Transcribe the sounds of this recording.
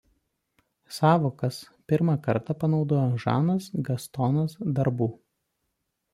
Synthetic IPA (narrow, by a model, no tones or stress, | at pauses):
sɑːʋoːkɐs | pʲɪɾmɑˑkɐɾt̪ɑpɐnɒʊd̪oːjoʒɑ̰ːnɐsɡɐst̪ɔnɐsd̪ɐɾbuː